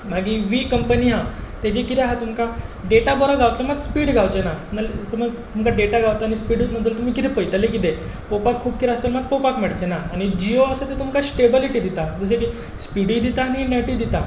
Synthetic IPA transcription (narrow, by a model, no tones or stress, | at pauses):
m̤aɡĩʋiːkəmpəniɦãt̪ed͡ʑekit̪eɦat̪umkaɖeʈabɔɾaɡʱaʋt̪ləmaɡspiːɽɡʱawt͡ɕenanalsəməd͡zt̪umkaɖeʈaɡawt̪aːnispiːɽumənd̪ult̪um̤iːkit̪epəjt̪lek̬it̪e | popakʰːuːbkit̪ast̪əɾmaɡ̚popakmɛɽt͡ɕenaːñid͡ʑioəsət̪et̪umkasʈebiliʈiːd̪it̪ad͡z̪us̬eki | spiɽid̪it̪aːñinɛʈid̪it̪a